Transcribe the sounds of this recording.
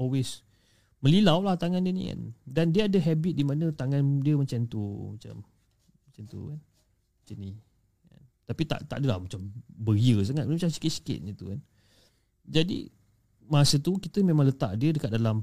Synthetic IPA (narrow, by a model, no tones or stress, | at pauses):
ɔlwes | mə̃lilawlaht̪aŋandiənḭka̰ndandiəadəɦɛbit̪̚dimanə̃t̪aŋãndiəmat͡ʃant̪umat͡ʃa̰m | at͡ʃant̪ṵkan | at͡ʃani | ka̰n | t̪apit̪a̰ʔt̪a̰ʔdəlahmat͡ʃambəiəs̬aŋat̪̚əmat͡ʃamsi̥kit̪si̥kɪ̰t̪̚nĩt̪ṵkan | d͡ʒadḭ | masət̪ukit̪əmẽmãŋlət̪a̰ʔdiədəkat̪̚dalam